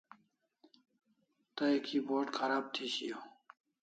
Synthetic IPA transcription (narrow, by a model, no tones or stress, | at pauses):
t̪ɐekʰiboːʈkʰɐɾaːb̚t̪ʰiɕijo